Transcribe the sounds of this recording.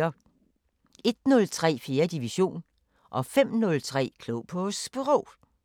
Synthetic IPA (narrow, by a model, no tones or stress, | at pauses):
ɐ | e̝d̥nɔ̽lt͡sʰʁɛ̰ːfe̝ːɐd̥iʋiɕo̝̰ːn | ʔɒ̽fem̰nɔ̽lt͡sʰʁɛ̰ːkʰloʊpʰɔsb̥e̝ʁɔʊ